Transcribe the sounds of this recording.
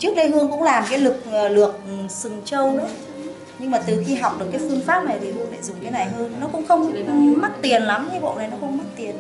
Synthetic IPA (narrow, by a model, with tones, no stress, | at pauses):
t͡ɕɨ˦˥ək̚ɗə˧jɦɨ˧əŋkʊ̰˧˥ŋ͡mlaː˨˩mkaː˨˦jlɨ˨˩k̚ːlɨ˨˩ək̚sɨ˨˩ŋt͡ɕə˧wnɨ̰˧˥ə | ɲɨ˧ŋmaː˨˩t̪ɨ˨˩xi˧ɦa˨˩wk͡p̚ɗɨ˨˩əkːaː˨˦jfɨ˧əŋfaː˦˥p̚na˨˩jt̪ʰi˨˩ɦɨ˧əŋla̰ː˧˨jzʊ˨˩ŋ͡mt̪a˨˦na˨˩jɦəː˧nːɔ˨˦kʊ̰˧˥ŋ͡mxə˧wŋ͡mma˦˥t̚t̪i˨˩ənla˨˦mɲ˧˦ɓo̰˧˨na˨˩jnɔ˨˦xə˧wŋ͡mma˦˥t̚t̪i˨˩ən